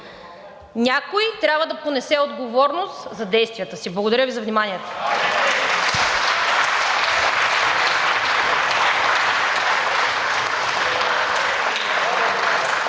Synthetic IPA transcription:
nʲakoit̪ɾʲabvəd̪ɐponɛsɛod̪ɡovɔɾnost̪zɐd̪ɛjst̪vʲijət̪əsiblˠɐɡod̪ɐɾʲjəvizɐvnimaniɛt̪ə̥

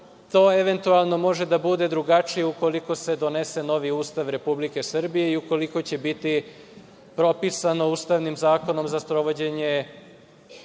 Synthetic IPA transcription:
t̪o̞ːeʋe̞nt̪ualˠno̞mo̞ʒe̞d̪abud̪e̞d̪ɾuɡat͡ʃijeuko̞liko̞se̞d̪o̞ne̞se̞no̞ʋiuːst̪aʋɾe̞publike̞sr̩bije̞iuko̞liko̞t͡ɕe̞bit̪i | pɾo̞pisano̞uːst̪aʋnimzaːko̞no̞mzaspɾo̞ʋo̞d͡ʑe̞ɲe̞

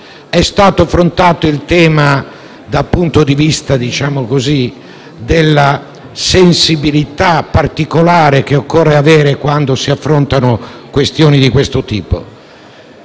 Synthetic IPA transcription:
ɛst̪aːt̪oafɾont̪aːt̪oilt̪ɛːma | d̪apunt̪od̪ivist̪ad̪it͡ʃaːmokozi | d̪elːa | sensibilit̪apːart̪ikolaːɾekeokːɔrːeavɛːɾekwand̪osiafːɾont̪anokwest̪jɔːnid̪ikwest̪ot̪iːpo̰

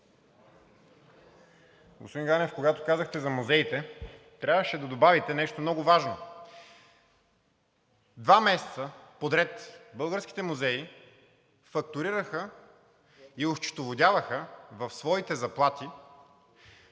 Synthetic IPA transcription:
ɡo̰spod̪ĩnŋɡanɛfkoɡat̪okazəxt̪ɛzɐmuzɛit̪ɛ | t̪ɾʲavəʃɛd̪ɐd̪obavit̪ɛnɛʃt̪omnɔɡʊvaʒno | d̪vamɛsɛ̥t̪səpod̪ɾɛt̪bɤəlˠɡəɾsk̟i̥t̪ɛmuzɛi | fɐk̚t̪ʊɾiɾəxə | ioʃt͡ʃɪ̥t̪ovod̪ʲavəxəvɐfsvɔit̪ɛzɐplˠat̪i

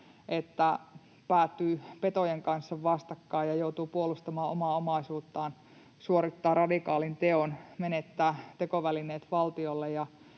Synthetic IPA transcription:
ʔet̪ːæ | pæːt̪ːyːpet̪ojeŋkɑnsːɑʋʋɑst̪ɑkːɑːjɑjout̪uːpuolust̪ɑmɑːʔomɑːomɑisuːt̪ːɑːn | suoɾit̪ːɑːrɑdikɑːlint̪eonmenet̪ːæːt̪ekoʋælineːt̪ʋɑlt̪iolːejjɑ

